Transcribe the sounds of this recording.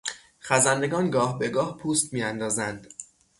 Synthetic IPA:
χæzænd̪e̞ɡɒːnɡɒːhbe̞ɡɒːhpʰuːst̪miːjænd̪ɒːzænd̪̥

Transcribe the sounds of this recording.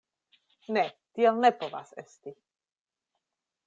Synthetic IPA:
nɛt̪iɛlnɛpova̰sɛst̪i

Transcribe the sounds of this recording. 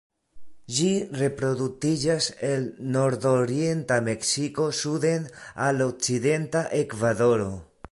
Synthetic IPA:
d͡ʒire̞pɾo̞d̪ut͡sid͡ʒase̞lno̞ɾdoɾie̞ntame̞ksiko̞sud̪e̞nalok̚t͡side̞ntaʔe̞kvaðoɾo

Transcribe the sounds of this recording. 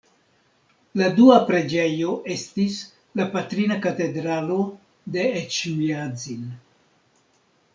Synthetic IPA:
laduapɾe̞d͡ʒe̞jo̞ʔe̞stis | lapatɾinakate̞dɾalo̞ | de̞et͡ʃuiazin

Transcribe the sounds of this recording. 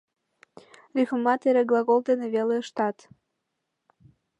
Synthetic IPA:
rʲyxəmɑt̪eɾeɡlˠɑɣold̪eneβeleəʃt̪ɑt̪

